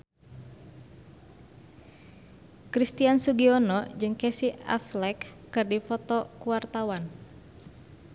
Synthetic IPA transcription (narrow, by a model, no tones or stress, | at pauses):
kɾist̪iansuɡiɔnɔd͡ʒɨŋkɛsia̰flɛkː | ɨrdipɔt̪ɔkuart̪awan